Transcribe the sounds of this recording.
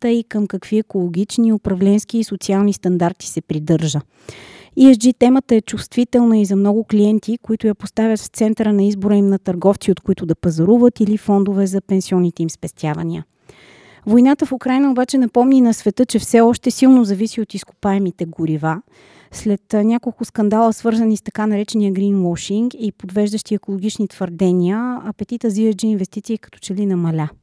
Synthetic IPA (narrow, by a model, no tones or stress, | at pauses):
t̪əikəmkɐkv̥iɛkolˠoɡʲit͡ʃniʊpɾɐvlɛnsk̟iːsot̪sialˠnist̪ɐnd̪aɾt̪i̥sɛpɾid̪ɤɾʒə | iɛsd͡ʒit̪ɛmət̪əɛt͡ʃust̪vit̪ɛlˠnəizɐmnɔɡʊkliɛnt̪ikoit̪ʊjapost̪avʲjət̪ft̪sɛnt̪əɾənɐizboɾəimnɐt̪ɐɾɡɔft̪siot̪kʊit̪ʊd̪ɐpɐzɐɾuvət̪ilifɔnd̪ʊvɛzɐpɛnsiɔnːit̪ɛimspɛst̪ʲjavɐniə̰ | vojnat̪əfukɾajnəobat͡ʃɛnɐpɔmninɐsvɛt̪ɤt͡ʃɛfsɛɔʃt̪ɛsilˠnozɐvisiot̪iskʊ̥paɛmit̪ɛɡʊɾiva | slɛt̪nʲakolˠkʊskɐnd̪alˠəsvɤɾzɐnist̪ɐkanɐɾɛt͡ʃɛnijəɡɾinwɔʃiŋɡipod̪vɛʒd̪ɐʃt̪iɛkolˠoɡ̟it͡ʃnit̪v̥əɾd̪ɛnʲiəɐpɛt̪it̪əziɛɾd͡ʒɛinvɛst̪it̪siːkɐ̥t̪ɔ̥t͡ʃɛlinɐmɐlʲa